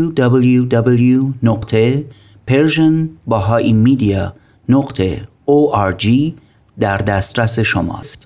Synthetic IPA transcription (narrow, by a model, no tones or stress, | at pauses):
ud̪ɒbeljud̪ɒbeljunoqt̪ʰe̞ | pʰeɾʒonbɒɦɒːʔimid̪iɒ | noɢt̪ʰe | oʔæɾd͡ʒiː | d̪æɾd̪æst̪ɾæse̞ʃomɒ̰ːst̪